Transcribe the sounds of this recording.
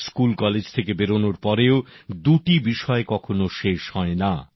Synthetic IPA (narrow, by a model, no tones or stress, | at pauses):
skulkɔled͡ʑt̪ʰekebeɾonoɾpɔɾeod̪uʈibiʃɔekɔkʰonoʃeʃhɔena